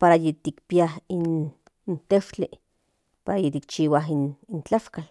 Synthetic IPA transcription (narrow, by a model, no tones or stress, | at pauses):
paɾajet̪ikpiahin | t̪eʃt͡ɬi | paɾajet̪ik̚t͡ʃiːwaɦinint͡ɬaʃkal